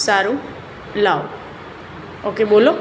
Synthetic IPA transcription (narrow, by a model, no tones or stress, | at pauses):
saɾu | lao | okebolo